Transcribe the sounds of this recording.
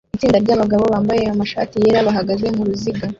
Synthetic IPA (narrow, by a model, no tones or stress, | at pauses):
it͡siːndaɾɟaːβaɡaβo̞βaːmbaje̞amaʃa̰ːtije̞ːɾaβaɦaɡazeŋ̥uɾuziɡa